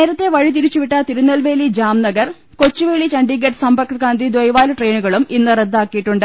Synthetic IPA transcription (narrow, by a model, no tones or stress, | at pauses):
ne̞ːɾɐt̪ːe̞ʋɐɻit̪iɾit͡ɕːuʋiʈːɐt̪iɾunːɐlʋe̞ːlid͡ʑaːmnɐɡɐr | ko̞t͡ɕːuʋeːɭit͡ɕɐɳɖiɡeʈsɐmbɐrkɐrkaːnd̪ʱid̪ʋojʋaːluʈre̞ːnuɣɐɭuminːɨred̪ːaːkːijiʈːuɳɖɨ